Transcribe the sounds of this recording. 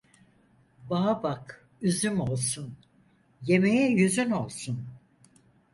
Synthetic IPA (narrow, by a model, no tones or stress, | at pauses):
baabak | yzymo̞lˠsun | je̞mejɛjyzyno̞lˠsun